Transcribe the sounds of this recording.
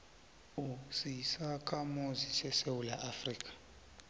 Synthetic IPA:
usisakʼamozisɛsewulaʔafriːkʼḁ

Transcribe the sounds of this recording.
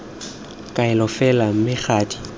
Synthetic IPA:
kʼaɪlɔfɛlam̩mɪk͡xʰaːtʼi̥

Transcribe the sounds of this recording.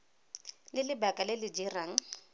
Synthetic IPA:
lɪlɪbakʼalɪlɪd͡ʒiraŋ̩

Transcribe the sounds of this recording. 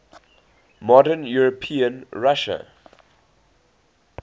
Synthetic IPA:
mɔdənjuɹopʰĩə̃nɹaʃə̰

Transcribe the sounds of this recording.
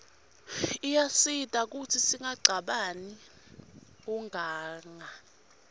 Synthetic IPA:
ijasitʼak̬utʰisiŋaɡ͡ǀʱaɓani | uŋʱaːŋa

